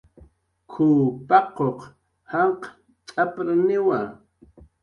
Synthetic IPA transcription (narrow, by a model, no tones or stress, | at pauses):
kʰupɑqoq | haq | t͡ʃʼapɾanɪwa